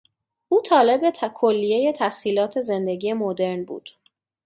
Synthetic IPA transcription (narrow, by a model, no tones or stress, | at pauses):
ʔuːt̪ʰɒːle̞be̞t̪ʰkʰolːije̞je̞t̪ʰæhsiːlɒːt̪ʰe̞ze̞nd̪e̞ɡije̞mod̪e̞ɾnbṵːd̪̥